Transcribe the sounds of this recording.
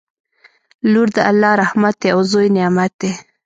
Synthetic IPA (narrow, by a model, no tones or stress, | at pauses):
luɾd̪əʔalːɑɾahmat̪̚d̪eawzojnɪjɑmat̪̚d̪e